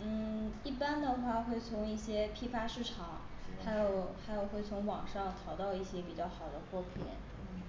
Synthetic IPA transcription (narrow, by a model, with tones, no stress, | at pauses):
n̩˥˩i˥˩pa˥nd̪ə˨xwa˥˧xwe˥˩ɪt͡sʰʊ˧˥ŋi˥˩ɕjɛ˥pʰi˥fa˥ʂɻ̩˥˩ʈ͡ʂʰɑ˨˩˦ŋ | xa˧˥ɪjo˨˧˩ʊxa˧˥ɪjo˨˩ʊxwe˥˩ɪt͡sʰʊ˧˥ŋwɑ̰˨˩ŋʂɑ˥˩ŋt̪ʰɑ˧˥ʊt̪ɑ˥˧ʊi˥˩ɕjɛ˥pi˨˩t͡ɕjɑ˥˩xɑ˨˩ʊd̪ə˦xwɔ˥pʰḭ˨˩˦n